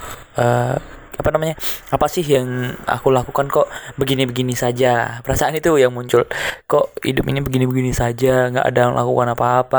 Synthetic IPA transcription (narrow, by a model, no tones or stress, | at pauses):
ʔəapanamaɲaapasɪɦjaŋa̰kulakukankɔʔbəɡinibəɡinisad͡ʒapəɾasaːnit̪ujaŋmuɲt͡ʃʊlkoʔhḭdʊpinibəɡinibəɡinisad͡ʒaŋɡa̰ʔa̰dala̰kukanapaːpa